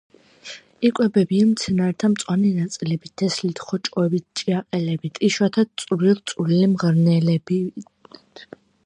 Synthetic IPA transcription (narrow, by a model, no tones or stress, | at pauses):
ikʼwɛbɛbiamt̪sʰɛnaɛɾt̪ʰamt̪sʼwanɛnat̪sʼilɛbit̪̚d̪̥ɛslit̪ʰχɔt͡ʃʼɔɛbit̪̚ʰt͡ʃʼiaqʼɛlɛbit̪ʼiʃwat̪ʰasʼɾilˠt̪sʼulilimʁɾnɛlɛbi | t̪ʰ